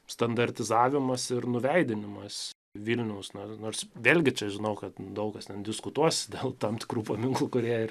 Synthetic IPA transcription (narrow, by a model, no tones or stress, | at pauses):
st̪ɐnd̪ɐrʲt̪ʲɪzɑːʋʲɪmɐsɪɾnʊʋʲɛɪd̪ʲɪnʲɪmɐs | ʋʲiːlʲnʲɛʊsnonoːrsʋʲeːlʲɡʲɪt͡ʃʲɛʒʲɪnɐʊkɐt̪d̪ɐʊkɐst̪ʲɛnd̪ʲɪskʊt̪uɔsd̪ʲeːlˠt̪ɑmt̪ʲɪ̥kɾuːpɐmʲɪŋklˠuːkʊɾʲiɛɪr